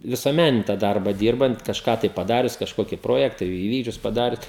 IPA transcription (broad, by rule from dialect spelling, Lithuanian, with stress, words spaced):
ʋʲɪsuɔˈmʲænʲɪnʲɪ tɑː ˈdɐrbɐ ˈdʲiːrbɐnt kɐʃˈkɑː tɐɪ pɐˈdɑːrʲʊs kɐʃˈkoːkʲɪ ˈproːjɛktɑː ɪˈʋʲiːɡd͡ʒʲʊs pɐˈdɑːrʲʊs